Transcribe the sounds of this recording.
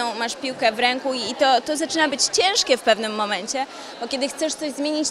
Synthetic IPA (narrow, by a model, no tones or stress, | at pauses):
ɔ̃w̃maʂpʲiwkɛvɾɛŋkuiːt̪ɔt̪ɔzat͡ʂɘnabɘt͡ɕt͡ɕɛ̃w̃ʂkʲɛfpɛvnɘmːɔmɛɲt͡ɕɛ | b̥ɔkʲed̪ɘxt̪sɛʂt̪sɔʑzmʲjeɲit͡ɕ